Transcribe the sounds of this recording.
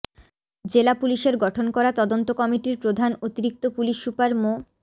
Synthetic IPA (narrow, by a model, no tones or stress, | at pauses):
d͡ʑelapuliʃeɾɡɔʈʰonkɔɾat̪ɔd̪ont̪okɔmiʈiɾpɾod̪ʱanot̪iɾik̚t̪opuliʃːupaɾmo